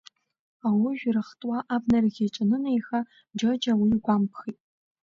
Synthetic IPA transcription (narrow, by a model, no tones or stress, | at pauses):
awʊʒʷᶣrɨχtʼwɑʔaːbnɐrɣʲɐt͡ʃʼɐnɨnɐjxɐ | d͡ʒɐd͡ʒɐwijɡʷaːmpxiːtʼ